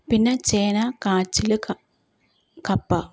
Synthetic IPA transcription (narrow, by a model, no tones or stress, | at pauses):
pinːɐt͡ɕeːnɐkaːt͡ʃːilɨ | kɐpːɐ